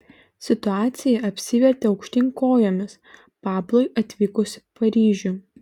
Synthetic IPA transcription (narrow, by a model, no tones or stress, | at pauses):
sʲɪt̪ʊɑːt̪sʲɪjɛʔɐpʲsʲɪʋʲɛɾʲt̪ʲɪɒʊkʃʲt̪ʲɪŋkoːjoːmʲɪs | pɑːblˠoɪʔɐt̪ʲʋʲiːkʊsʲpɐɾʲiːʒʲʊ